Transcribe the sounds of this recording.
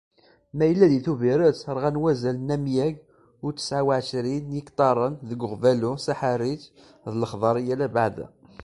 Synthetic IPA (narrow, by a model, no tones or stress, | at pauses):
mæjəlːæðiθuviɾət͡səɾˤʁænwæzælnæmjæɡ | ʊɾt͡sːə̥sʕawaʕʃɾinjikt̪ˤɑɾˤənðəɡʊʁvælusaħaɾit͡ʃ | ðləχðˤɑɾˤijælæbaʕðæ̰